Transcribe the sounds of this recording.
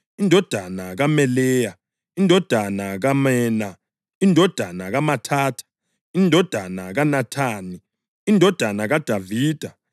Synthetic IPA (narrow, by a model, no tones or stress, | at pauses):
indʱɔd̥ʱanaɣamɛlɛːja | indʱɔd̥ʱanaɣamɛːna | indʱɔd̥ʱanaɣamatʰaːtʰu̥ | indʱɔd̥ʱanaɣanatʰaːni | indʱɔd̥ʱanaɣad̥ʱaviːd̥ʱa